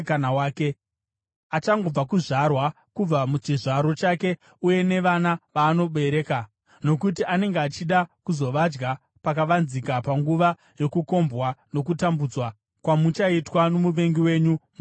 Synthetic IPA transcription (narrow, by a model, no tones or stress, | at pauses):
kanawaːke | at͡ʃaŋɡo̞b͡vakuʐarwa | kub͡vamut͡ʃiʐaɾo̞t͡ʃake̞ | uje̞ne̞ʋanaʋaːno̞ɓe̞ɾe̞ːka | no̞kutiʔane̞ŋɡeat͡ʃiɗakuzo̞ʋad͡ʒɡa | pakaʋanzikapaŋɡuʋa | jo̞kuko̞mbwano̞kutambud͡zwa | kwamut͡ʃaitwanomuʋe̞ŋɡiwe̞ːɲum